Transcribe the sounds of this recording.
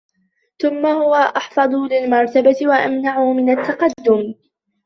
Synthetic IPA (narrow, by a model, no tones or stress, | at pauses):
θʊmːahʊwaʔɑħfɑd̪ˤulɪlmɑɾˤt̪abat̪ɪwaʔamnaʕʊmɪnat̪ːɑqɑd̪ːʊm